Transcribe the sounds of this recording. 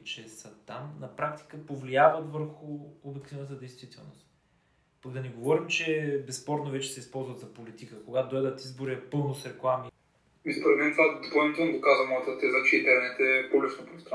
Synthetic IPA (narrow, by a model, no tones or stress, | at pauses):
t͡ʃɛsət̪amnɐpɾak̚t̪i̥kəpovliavət̪vəɾxʊobikt̪inət̪əd̪ɛjst̪vit̪ɛlˠno̰st̪ | pɐkd̪ɐnɛɡovɔɾimt͡ʃɛbɛspɔɾt̪novɛt͡ʃɛ̥sɛispɔlˠzvət̪zɐpolit̪ikəkoɡat̪d̪ɔjd̪ət̪izboɾiɛpɤlˠnosɾɛklˠami | ispoɾɛd̪mɛnt̪vad̪opəlˠnit̪ɛlˠnɡ̪okazvəmɔjət̪ət̪ɛzət͡ʃɛint̪ɛɾnɛt̪ɛpublit͡ʃnopɾnsɾ